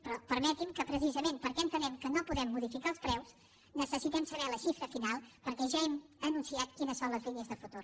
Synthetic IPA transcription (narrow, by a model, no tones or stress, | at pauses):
pɾɔpəɾmɛt̪imkəpɾəs̬izəmempəɾkɛənt̪ənɛmkənopuðɛmːuðifikaəlˠspɾɛws | nəsəsit̪ɛmsəβɛləʃifɾəfinalˠpəɾkɛʒaɛmənunsiat̪kinəsːonləzliniəzðəfut̪uɾ